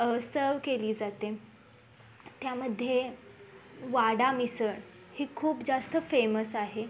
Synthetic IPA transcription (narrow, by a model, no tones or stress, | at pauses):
əsəɾʋkeliːd͡zat̪e | t̪jaməd̪ʱːje | ʋaɽamisəɳ | hiːkʰuːpd͡zast̪əfeməsaɦe